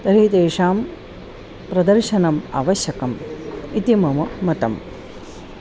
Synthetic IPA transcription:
t̪ɐɾiːt̪eːʂaːm | pɾɐd̪ɐɾʃɐnɐma̰ːʋɐʃjɐkɐmit̪imɐmɐmɐt̪ɐm

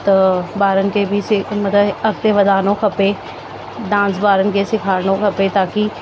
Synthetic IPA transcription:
t̪baːɾənkebʱisɪmət̪əɐk̚t̪eʋəd̪aːnõkʰɐpe | d̪ãːnsbaːɾənkesɪkʰaːɾnõkʰɐpet̪aːki

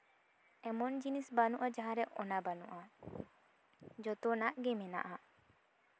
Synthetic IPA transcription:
emɔnd͡ʒinisbanuʔɐd͡ʒaɦaɾeʔɔnabanṵʔa | d͡ʒɔt̪onaʔɡemena̰ʔa

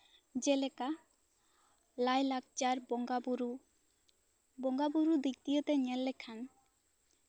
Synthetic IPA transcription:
d͡ʒelɛka | lajlak̚t͡ʃaɾbɔɡabuɾu | bɔŋɡabuɾud̪ik̚t̪ijot̪ɛɲɛlːɛkʰan

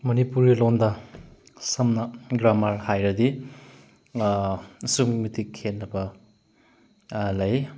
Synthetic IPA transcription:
mɐnipuɾɡilondɐ | sɐmnɐɡɾamaɾhajɾɐdi | suŋmitikʰenːɐbɐ | lɐj

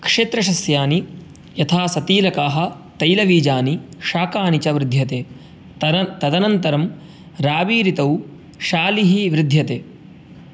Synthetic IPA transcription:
kʂeːt̪ɾɐʃ̬ɐsjaːni | jɐt̪ʰaːsɐt̪iːlɐkaːɦɐ̆ | t̪ɐjlɐʋiːd͡ʒaːniʃaːkaːnit͡ʃɐʋɾɪd̪ʱjɐt̪eː | t̪ɐd̪ɐnɐnt̪ɐɾɐm | ɾaːʋiːɾit̪ɐw | ʃaːliɦiʋɾɪd̪ʱjɐt̪eː

